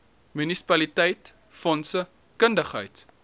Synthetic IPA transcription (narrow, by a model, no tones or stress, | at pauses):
mynisi̥pɐlitɛjt | fɔnsə | kəndəχɦə̰jt